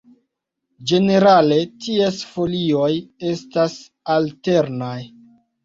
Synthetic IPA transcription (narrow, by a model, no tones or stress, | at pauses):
d͡ʒe̞ne̞ɾale̞tie̞sfo̞lio̞je̞stas | alte̞ɾnaj